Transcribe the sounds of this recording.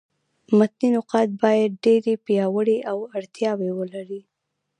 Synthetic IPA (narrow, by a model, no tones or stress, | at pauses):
mʊt̪ninʊqɑt̪̚bɑjad̪̚ɖeɾepjɑwəɽeʔawaɽt̪jɑwewəlaɾi